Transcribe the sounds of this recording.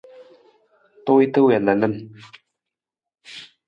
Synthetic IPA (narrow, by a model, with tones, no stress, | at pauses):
t̪o˥˦i˦t̪ʰə˦wɛ˨lə˨lə˦n